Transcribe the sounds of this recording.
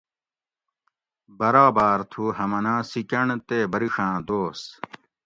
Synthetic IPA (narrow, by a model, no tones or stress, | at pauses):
bɐɾaːbaːɾt̪ʰuhɐmɐnãːsikɐɳt̪eːbɐɾiʂãːd̪oːs